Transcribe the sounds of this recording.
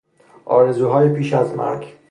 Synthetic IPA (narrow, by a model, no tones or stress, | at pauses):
ʔɒ̰ːɾezuːɦɒːjepʰiːʃæzmæ̰ɾɡ